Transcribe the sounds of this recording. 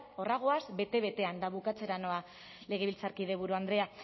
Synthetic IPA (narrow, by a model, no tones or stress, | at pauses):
o̞raɣ̞o̞azbe̞t̪e̞βe̞t̪e̞and̪aβukat͡se̞ɾano̞a | le̞ɣ̞e̞βilt͡saɾkiðe̞βuɾuand̪ɾe̞a